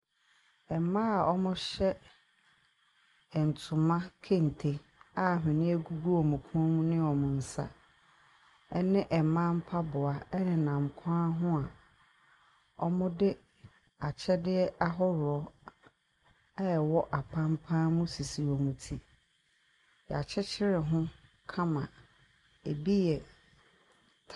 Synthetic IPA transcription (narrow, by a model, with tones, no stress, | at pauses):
ɛ˨mã˦a˨ɔ˦mʊ̃˦ɕɛ˦ | ɛ˨n̩˨tʰʊ̃˨mã˦kʰe˦n̩˨tʰe˨ | a˦˨ɦɪ̃˨nɪ̃˦æ˦ɡu˦ɡu˦ɔ˨mũ˨kʰũ˦ɔ˦mũ˦nɪ̃˦ɔ˨mʊ̃˨n̩˨sa̰˦ | ɛ˦nɪ̃˦ʔɛ˨mã˦m̩˦pʰa˦bʊ˨a˨ɛ˦nɪ̃˨nã˨m˨kʷʰã˦ɦʊ̃˦a˨ | ɔ˦mʊ̃˦dɪ˦ | a˨t͡ɕʰɛ˦dɪ˦ɛ˦ʔa˦ɦɔ˦ɾɔ˦ | ɛ˦˨wɔ˦ʔa˨pʰã˦m˦pʰãː˦mʊ̃˦si˨si˨ɔ˨mũ˨tʰi˦ | jɛ˨a˨t͡ɕʰɛ˦t͡ɕʰɪ˦ɾɪ˨ɦʊ̃˦ | kʰã˦mã̰˨ | e˨bi˦jɛ˨